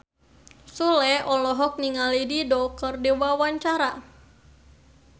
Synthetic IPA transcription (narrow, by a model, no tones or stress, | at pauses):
sulɛɔlɔɦɔk̚niŋalididɔkərdiwawaɲt͡ʃaɾa